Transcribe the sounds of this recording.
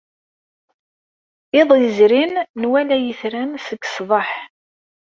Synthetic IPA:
ɪðˤjəzɾinːwælæjəθɾænsəɡsðˤɑħ

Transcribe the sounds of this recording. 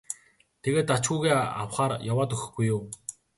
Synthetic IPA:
t̪ʰeɣeːt̪at͡ɕxuːɣeːa̰wχaːɾjawaːt̪ɵxɘ̆xɡ̥ujuː

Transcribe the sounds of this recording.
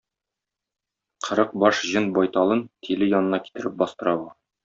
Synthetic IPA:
qʰɤ̆ɾɤq̚bɒʃʑɤnbɒjt̪ɑlˠɤnt̪ʰilɘjɒnɤ̆nɑki̥t̪ɘ̆ɾɘp̚bɒst̪ɤ̆ɾɑbɤ

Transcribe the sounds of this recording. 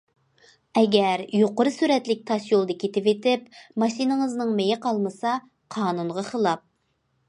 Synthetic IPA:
ɛɡʲɛɾjoqʊɾɨsyɾɛt̪lɪk̚ʲt̪ʰɑʃjolˠd̪ɑkʲʰet̪ɪpet̪ɪpmɑʃinɨŋəznɨŋmejɪqɑlˠmɨsɑ | qʰɑːnunʁɑχəlˠɑp̚

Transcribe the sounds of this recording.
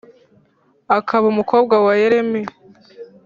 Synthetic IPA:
akʰaβaumuko̞ːbɡawajeɾe̞me

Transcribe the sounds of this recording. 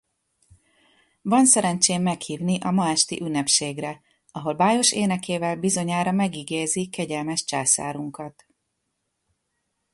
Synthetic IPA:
vɒnsɛɾɛnt͡ʃeːmːɛkhiːvniʔɒmɒɛʃt̪ḭʔynːɛpʃeːɡrɛ | ɒɦo̞lbaːjo̞ʃeːnɛkeːvɛlbizo̞ɲaːɾɒmɛɡiɡeːzikɛɟɛlmɛʃt͡ʃaːsa̰ːɾuŋkɒt̪

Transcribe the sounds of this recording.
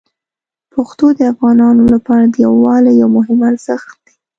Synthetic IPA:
paxt̪od̪əafɣɑnɑnolapɑɾad̪əjawɑlajawmʊɦɪmaɾz̥əxt̪̚d̪̥e̥

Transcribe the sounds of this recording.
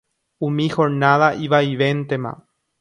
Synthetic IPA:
umixoɾnaðaʔiβaiβent̪ema̰

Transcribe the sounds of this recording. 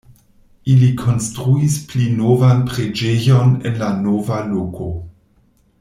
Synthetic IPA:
ilikʰo̞nstɾuisplinovanpɾed͡ʒejonḛnlanovalokʰo

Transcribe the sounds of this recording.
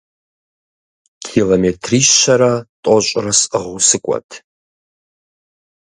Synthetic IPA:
kʰilometʰriːɕːɐɾɐtʼɔɕʼrɐsəʁusɨkʷʼɔ̰tʰ

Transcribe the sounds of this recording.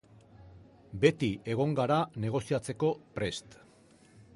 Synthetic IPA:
be̞t̪ie̞ɣ̞o̞ŋɡaɾane̞ɣ̞o̞siat͡se̞ko̞pɾe̞st̪

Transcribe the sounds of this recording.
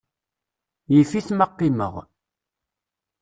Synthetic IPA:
jifiθməqːimə̰ʁ

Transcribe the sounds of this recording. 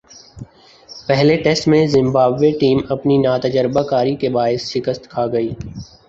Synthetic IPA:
pɛɦleʈɛsʈmẽzɪ̃mbaːbʋeʈiːmɐpninaːt̪əd͡ʒəɾbakaːɾikebaːɪsʃɪkəst̪kʰaːɡɐiː

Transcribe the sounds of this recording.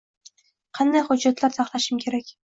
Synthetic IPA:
qʰɑnd̪ajχʊd͡ʒːat̪laɾsɑχlˠaʃɪmkʲʰe̞ɾakʲ

